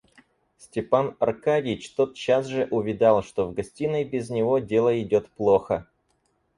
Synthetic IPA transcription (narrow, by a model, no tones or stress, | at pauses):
sʲtʲɪpanɐrkadʲɪt͡ɕt̪o̞t̪̚t͡ɕːasʐɨʔʊvʲɪd̪alˠʂt̪o̞vɡɐsʲtʲinəjbʲɪznʲɪvo̞dʲe̞lˠəɪdʲo̞t̪plˠo̞xə